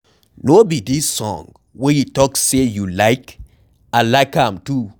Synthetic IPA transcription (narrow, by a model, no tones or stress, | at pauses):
nobidisːɔ̰̃ŋ | wɛjutɔksejulaɪk | alaɪkhãmtu